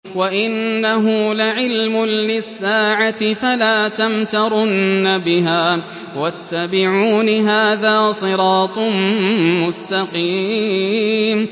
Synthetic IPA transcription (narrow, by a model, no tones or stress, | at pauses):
waʔɪnːaɦʊlaʕɪlmʊnlɪsːaːʕat̪ɪfalaːt̪amt̪ɑɾˤʊnːabɪɦaː | wat̪ʰːabɪʕuːnɦaːðaːsˤɨɾɑːt̪ˤmmʊst̪aqiː | m